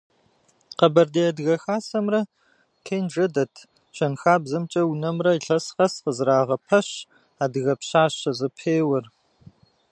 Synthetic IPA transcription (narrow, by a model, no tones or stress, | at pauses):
qɐbɐrdeɐdɣɐxaːsɐmrɐ | kʰeːjnʐɐdɐtʰ | ɕɐnxaːbzɐmt͡ʃʼɐwunɐmrɐiɬɐsqɐsqəzɾaːʁɐpʰɐɕ | aːdɨɣɐpɕaːɕɐzɨpʰeːwɐr